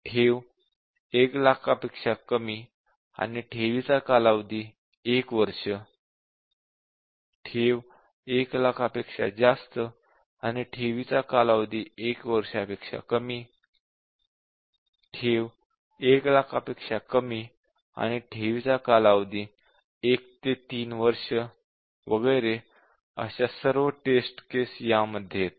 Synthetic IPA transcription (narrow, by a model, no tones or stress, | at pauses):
ʈʰeʋ | eklakʰapekʂakəmiː | a̰niʈʰeʋit͡sakalaʋd̪iː | ekʋəɾʂə | ʈʰeʋ | eklakʰapekʂa̰d͡zast̪ə | a̰niʈʰeʋit͡sakalaʋd̪iːekʋəɾʂapekʂa̰kəmiː | ʈʰeʋ | eklakʰəpekʂakəmiː | a̰ñiʈʰeʋit͡sakalaʋd̪iː | ekt̪et̪iːnʋəɾʂə | ʋəɡəjɾe | ə̰ɕasəɾʋəʈesʈkesjaməd̪ʱːjet̪̚